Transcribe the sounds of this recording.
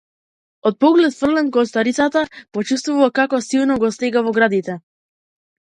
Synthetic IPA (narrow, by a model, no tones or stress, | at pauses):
ɔt̪̚pɔɡlɛt̪fr̩lɛnkɔst̪aɾit̪sat̪apɔt͡ʃust̪vuvakakɔsilˠnɔɡɔst̪ɛɡavɔɡɾad̪it̪ɛ